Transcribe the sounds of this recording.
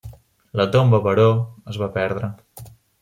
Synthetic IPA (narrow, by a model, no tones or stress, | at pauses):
lət̪ombəβəɾoəzβapɛɾðɾə